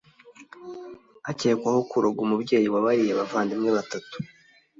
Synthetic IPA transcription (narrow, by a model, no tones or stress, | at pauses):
ace̞ːkwaho̞kuɾoɡumubɟe̞ːjiwaβaɾijeβavaːndimŋeβatatu̥